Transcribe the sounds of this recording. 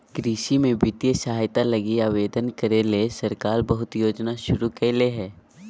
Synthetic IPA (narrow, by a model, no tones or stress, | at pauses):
ɡ̥ɾiːʃimẽbɪt̪jesaɦaːjt̪alɐɡiaːʋeːd̪ənkəɾelesɐɾkaːɾbəɦʊt̪joːd͡ʒnaʃʊɾukɛleɦɛː